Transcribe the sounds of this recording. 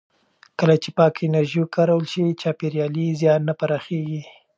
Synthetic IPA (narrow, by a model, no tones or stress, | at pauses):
kəlat͡ʃepɑkɪnaɾʒikɑɾawəlʃiwit͡ʃɑpeɾjɑlizjɑnːapaɾɑxeɡi